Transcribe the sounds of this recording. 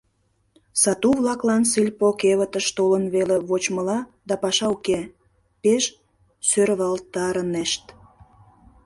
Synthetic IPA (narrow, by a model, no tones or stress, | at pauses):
sɑt̪uβlɑklɑnsɨlʲpokeβət̪əʃt̪olənβeleβot͡ɕməlɑd̪ɑpɑʃɑuke | peʃ | søɾβɑlt̪ɑɾəneʃt̪